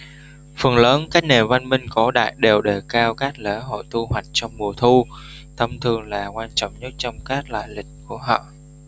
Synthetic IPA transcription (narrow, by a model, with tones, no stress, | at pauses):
fə˨˩nləː˨˦nkaː˦˥k̚ne˨˩va˧nmï˧ŋ̟kɔ˨˦ɗa̰ː˧˨jɗe˨˩wɗe˧˩kaː˧wkaː˦˥k̚le˧˩ɦo̰˧˨jt̪u˧ɦwa˨˩jk̟̚t͡ɕɔ˧wŋ͡mmu˨˩ət̪ʰu˧ | t̪ʰə˧mt̪ʰɨ˨˩əŋlaː˨˩kwaː˧nt͡ɕɔ̰˧˨wŋ͡mɲə˦˥t̚t͡ɕɔ˧wŋ͡mkaː˦˥k̚la̰ː˧˨jlï˨˩k̟̚ku˧˩əɦɔ̰ː˧˨